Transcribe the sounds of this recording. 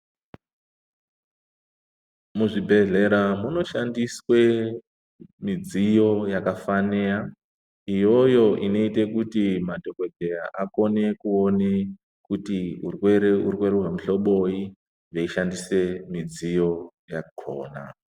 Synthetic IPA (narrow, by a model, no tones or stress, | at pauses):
muʐibʱe̞ɮe̞ɾamuno̞ʃandiswe̞ | mid͡zijo̞jakafanea | ijo̞jo̞ʔino̞ite̞kutimadʱo̞ke̞dejaʔako̞ne̞kuo̞ne | kutiurweɾeurwe̞ɾeuram̩uɬo̞ɓo̞i | ʐeiʃandise̞mid͡zijo̞ | jakʰo̰ːna̰